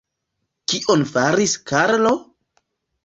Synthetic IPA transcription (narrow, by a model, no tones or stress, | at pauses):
kiʔonfaɾiskʰaɾlo